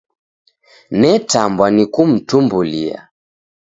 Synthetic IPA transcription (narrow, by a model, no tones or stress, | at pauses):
nɛtambwanikum̩tumbulia̰